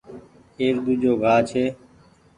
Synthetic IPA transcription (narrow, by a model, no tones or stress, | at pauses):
eːɾd̪uːd͡ʒoːɡʱaːt͡ʃʰeː